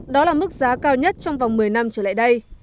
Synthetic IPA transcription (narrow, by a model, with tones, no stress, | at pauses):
ɗɔ˨˦laː˨˩mɨ˦˥k̚zaː˨˦kaː˧wɲə˦˥t̚t͡ɕɔ˧wŋ͡mva˨˩ŋ͡mmɨ˨˩əjna˧mt͡ɕəː˧˩la̰ː˧˨jɗə˧j